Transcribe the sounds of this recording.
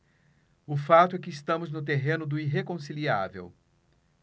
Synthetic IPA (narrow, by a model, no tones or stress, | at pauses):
ʊfat̪ʊɛkɪːst̪ɐ̃mʊznʊt̪eɦẽnʊd̪ʊiɦekõsilia̰vḛw